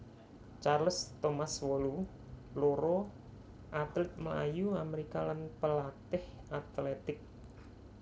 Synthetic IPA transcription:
t͡ʃarləst̪omaswɔlu | loɾo | ʔat̪lɪt̪̚mla̰juameɾikalanpəlat̪ɪh | at̪lɛt̪ɪk̚

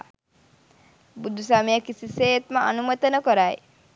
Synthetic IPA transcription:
bud̪ʱusaːmijakisisejet̪məanumɐt̪ənəkoɾaj

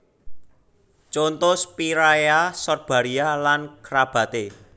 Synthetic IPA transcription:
t͡ʃont̪ʊspiɾajasɔrb̥a̤ɾialankɾab̥ä̤t̪e

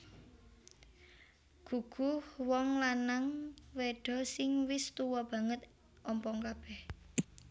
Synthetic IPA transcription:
ɡ̥ṳɡ̥uhwɔŋlanaŋweɖ̥ɔ̤sɪŋwɪst̪uwɔb̥ä̤ŋət̪ | ʔɔmpɔŋkab̥ɛh

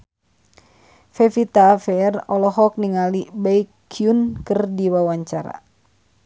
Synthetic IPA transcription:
fɛfit̪afɛrɔlɔɦɔk̚niŋalibaikʰːiunkɨrdiwawaɲt͡ʃaɾa̰

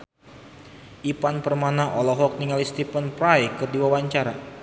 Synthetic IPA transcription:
ʔipanpərmanaʔɔlɔɦɔk̚niŋalist̪ipənpɾajkɨrdiwawaɲt͡ʃaɾa

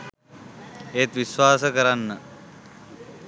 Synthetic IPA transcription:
eːt̪ʋisʋaːsəkəɾanːə

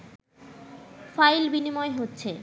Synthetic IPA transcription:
fajlbinimɔeɦotːɕʰe

